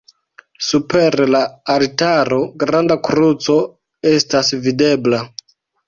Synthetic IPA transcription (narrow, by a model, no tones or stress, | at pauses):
supeɾlaːɾitaɾo̞ɡɾandakɾut͡so̞ | estasvide̞bla